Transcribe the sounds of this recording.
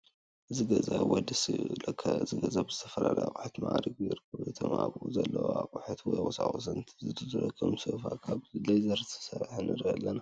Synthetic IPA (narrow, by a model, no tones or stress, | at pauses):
ʔɨziɡɐzawɔd̪islɐkʰːɐɨziɡɐzabɨzɨt̪ʰɐfɐlalɐja̰kʼuħat̪maʔɾiɡiɾɨkʰːɐβet̪ʰomaβuzɐlːɐwakʼuħat̪ʰwɔjɔsaxʼosɐnt̪ʰzɨt̪ʰɨt̪ʰɨɾɐkʰːɐmsɨfakʰaβzilɐjzɐɾt̪ʰɨ̥sɐɾħɨnʔɨɾialːɐna